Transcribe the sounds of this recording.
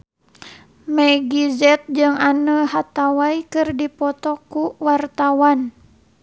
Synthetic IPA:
mɛɡizɛt̪̚d͡ʒɨŋanəhat̪awaikɨrdipɔt̪ɔkuwart̪awan

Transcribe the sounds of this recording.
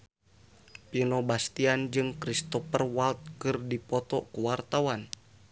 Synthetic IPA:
pinɔbast̪iand͡ʒɨŋkɾist̪ɔpərwalt̪̚kɨrdipɔt̪ɔkuwart̪awan

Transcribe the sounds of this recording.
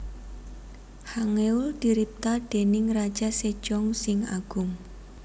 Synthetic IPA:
haŋeʊld̪̥iɾip̚t̪aɖ̪̥e̤nɪŋrḁʒ̥ased̥ʒ̥ɔŋsɪŋa̰ɡ̥ʊŋ

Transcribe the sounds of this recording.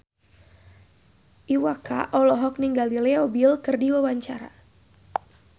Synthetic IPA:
ʔiwaka̰ʔɔlɔɦɔk̚niŋɡalilɛɔbilkɨrdiwawaɲt͡ʃaɾa̰

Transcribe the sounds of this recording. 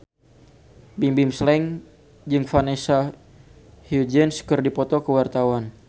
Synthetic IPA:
bimbɪmslɛŋ | d͡ʒɨŋfanɛsa | hjud͡ʒɛnskərdipɔt̪ɔkəwart̪awan

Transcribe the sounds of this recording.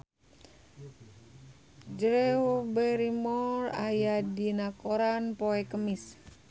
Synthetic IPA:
d͡ʒɾɛubɛɾimɔra̰jadinakoɾanpoɛkəmis

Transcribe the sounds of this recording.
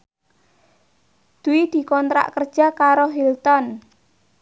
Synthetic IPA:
d̪̥uid̪̥i̤kɔnt̪ɾa̰ʔkərd̥ʒ̥a̤kaɾoɦilt̪ɔn

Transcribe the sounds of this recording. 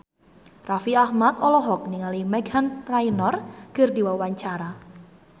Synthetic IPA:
rʔafiahmat̪ɔlɔɦɔk̚niŋalimɛɡanrainɔrɡ̥ərdiwawaɲt͡ʃaɾa

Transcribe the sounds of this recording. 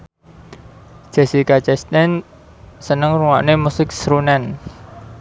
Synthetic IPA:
ʒ̥ɛ̤sikat͡ʃɛst̪ɛn | sənəŋruŋa̰ʔnemusɪk̚sɾunɛn

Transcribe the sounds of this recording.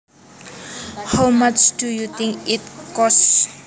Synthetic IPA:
hawmat͡ʃdujut̪ĩŋkitkɔs

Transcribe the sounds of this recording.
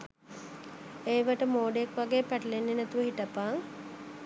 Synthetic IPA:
eːʋəʈəmoːɖeekʋaɡeːpæʈəlenːenæt̪uʋəɦiʈəpaŋ

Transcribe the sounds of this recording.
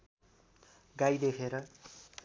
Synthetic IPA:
ɡajd̪ekʰeɾʌ

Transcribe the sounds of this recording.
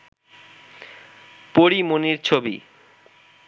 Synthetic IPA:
poɾimoniɾt͡ɕʰobḭ

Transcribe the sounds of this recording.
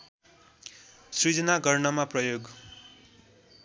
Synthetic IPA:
srid͡zʌnaɡʌrnʌmaprʌjoɡ

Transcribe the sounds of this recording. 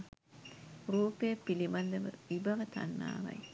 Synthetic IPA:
ruːpejɐpːilibɐnd̪əʋə̰ʋibɐʋət̪a̰nːa̰ːʋɐ̰j

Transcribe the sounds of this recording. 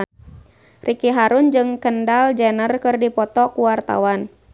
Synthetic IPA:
rʔikiɦaɾʊnd͡ʒɨŋkəndald͡ʒɛnərkɨrdipɔt̪ɔkuwart̪a̰wan

